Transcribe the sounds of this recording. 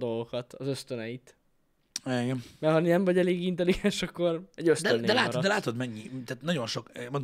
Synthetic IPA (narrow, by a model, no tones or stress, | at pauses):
d̪o̞lɡokɒt̪ɒzø̞st̪ønɛjit̪ | aiɡɛnmɛhɒninɛɱvɒɟɛleːɡint̪ɛliɡɛnʃɒkːo̞rɛɟøstd̪ɛønːd̪ɛlaːt̪ɾd̪ɛlaːt̪od̪mɛɲːit̪aːt̪nɒɟo̞nʃokːmon